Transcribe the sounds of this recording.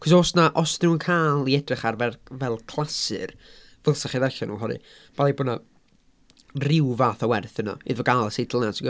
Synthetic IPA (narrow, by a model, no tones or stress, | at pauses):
kʰɔs̬oːsnaʔɔsðuːənkʰaːlˠiɛdrɪχarvɛrvɛlˠkʰl̥ˠasɨ̰r | vəlˠsaχiðɛɬanṵːɦɔnɨ̰ | b̥alˠibɔna | rɪwvaːθawɛrθənɔ̰ḭðvɔɡalˠəsejdlˠnansiɡ